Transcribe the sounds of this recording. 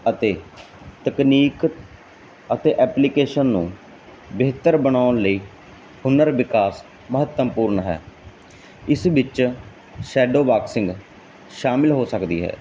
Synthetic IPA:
ət̪eː | t̪əkniːk | ət̪eːʔɛːplɪkeːʃənːũː | beːt̪əɾbənaːʊnləiː | hʊnəɾʋɪkaːs | məɦət̪ːəmpuːɾɳɦɛ̰ː | ɪsʋɪt͡ʃ | ʃɛːɖoːbaːksɪ̃ŋɡ | ʃaːmɪlɦoːsəkd̪ḭːɦɛ̰ː

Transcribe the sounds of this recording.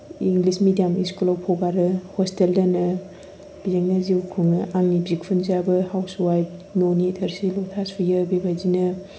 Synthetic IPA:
iŋɡlismidijamiskulawpʰɔɡaɾɯhosteldanɐ | b̥izeŋnaziwkʰuŋɐʔaŋnibzik̚pʰunzabɐhawswajp̚nonitʰɐɾsilɔtʰasijɐbebajzinɐ

